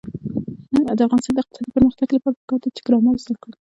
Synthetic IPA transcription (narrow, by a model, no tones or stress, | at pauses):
d̪əafɣɑnɪst̪ɑnd̪ɪq̚t̪ɪ̥sɑd̪ipəɾməxt̪aɡlapat̪ɪkɑt̪at̪ɪ̥kɾɑmɑlzakəɽ